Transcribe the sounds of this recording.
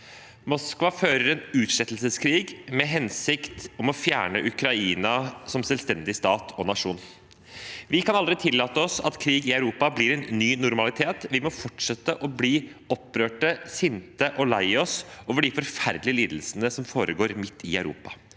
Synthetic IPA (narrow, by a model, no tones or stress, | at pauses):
mɔskʋɑføːɾəɾɛnʉːt̪ʂɛt̪ːl̩səskʰɾiːɡmɛɦɛnsɪkt̪ɔmɔfjæ̰ːɳəʔʉkɾɑiːnɑsɔmsɛlst̪ɛnd̪ɪst̪ɑːt̪ʰɔnɑʂuːn | ʋɪkʰɑnɑld̪ɾɪt̪ʰɪlːɑːt̪əɔsɑt̪kʰɾiːɡɪœʉɾuːpɑblɪɾɛnːyːnʊɾmɑlɪt̪ʰeːt̪ʋɪmɔfɔʈʂɛt̪ːəʔɔbliː | ɔpːɾøːʈəsɪnt̪əʔɔlæɪɔsoːʋəɖɪfɔɾfæɾd̪lɪəliːd̪l̩sənəsɔmfoːɾəɡoːɾmɪt̪ʰːɪ̰æʉɾṵːpɑ